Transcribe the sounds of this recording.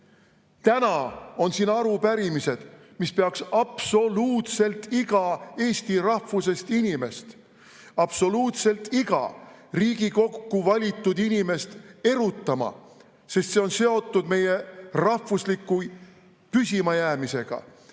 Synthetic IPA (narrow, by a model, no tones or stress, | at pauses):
t̪ænɑo̞nsiːnɑɾupæɾimise̞d̪̥ | mispeɑksɑpso̞luːt̪se̞lt̪ːiɡ̥ɑe̞ːsʲt̪irɑhvuse̞st̪inime̞st̪ | ɑb̥so̞luːt̪se̞lt̪ːiɡ̥ɑ̰riːɡ̥iko̞kːuvɑlʲit̪ːˑud̪inime̞st̪e̞ɾut̪ˑːɑmɑ̰ | se̞st̪seo̞nse̞o̞t̪ːˑud̪̥me̞je̞rɑhvuslikːˑu | pysʲimɑjæːmise̞ɡ̥ɑ̰